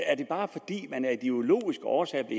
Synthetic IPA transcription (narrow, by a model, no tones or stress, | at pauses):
æɐd̥e̝b̥ɑ̈ːfɒ̽d̥ḭːmænæɐid̥io̝lo̝̰ːisɡ̥əɒːsɛ̰ːɐb̥le̝